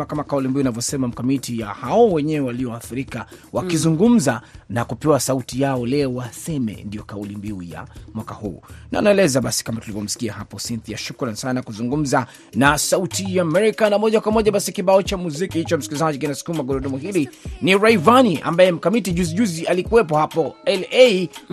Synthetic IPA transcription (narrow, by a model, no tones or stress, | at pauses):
akamakaulimbiunavjɔsɛmam̩kamitija̰haɔwɛɲɛwɛwaliɔwaːθiɾikawakizuŋɡum̩zanakupɛwasautijaɔlɛɔwasɛmɛ̰ndiɔkaulimbiuja̰mwakahṵːna̰naɛlɛzaɓasi̥kamatulivɔm̩si̥kiahapɔsinθijaʃukɾansananakuzuŋɡum̩za | nasautijaːmɛɾikanamɔʄakwamɔʄaɓasikiɓaɔt͡ʃamuzikihit͡ʃɔm̩skilizaʄikinasu̥kumaɡɔɾɔɗɔmɔhiɾiniɹaivaniʔa̰mbajɛm̩kamitiʄuziʄuzialikuwɛp̬ɔhapɔɛlei